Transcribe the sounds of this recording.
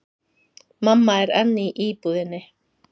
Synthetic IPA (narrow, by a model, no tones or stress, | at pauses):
mamːaɛɾɛnːiʔiːpuðɪnːɪ